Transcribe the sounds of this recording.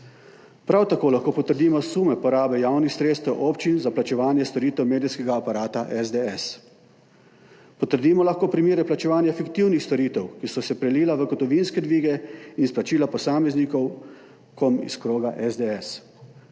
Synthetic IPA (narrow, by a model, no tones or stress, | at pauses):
pɾawt̪akoːlaxkoːpɔt̪əɾd̪iːmɔsuːmɛpɔɾaːbɛjaːwnixsɾeːt̪st̪ɛwʔoːpt͡ʃinzaplat͡ʃɛʋaːnjɛst̪ɔɾiːt̪ɛwmeːd̪iskɛɡaːpaɾaːt̪aʔɛzd̪eɛs | pɔt̪əɾd̪iːmɔlaxkoːpɾimeːɾɛplat͡ʃɛʋaːnjafikt̪iwnixst̪ɔɾiːt̪ɛwkisɔsɛpɾɛliːlaʋəɡɔt̪ɔʋinskɛd̪ʋiːɡɛinsplat͡ʃiːlapɔsaːmɛznikɔw | kʰɔmḭskɾoːɡaʔɛzd̪eɛs